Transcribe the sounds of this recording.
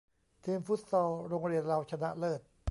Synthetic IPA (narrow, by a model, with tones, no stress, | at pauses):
t̪ʰiː˧mfu˦˥t̪̚sɔː˧ɾoː˧ŋɾi˧˩ənla˧wt͡ɕʰa˧na̰˦˥ʔlɤː˧˩t̪̚